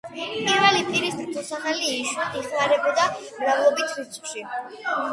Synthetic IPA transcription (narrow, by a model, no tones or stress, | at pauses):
pʰʼiɾvɛlipʰiɾisɾt̪ʰusanaliːʃwaiχmaɾɛbɔd̪amɾavlˠɔbit̪ʰwisʰʼkʃi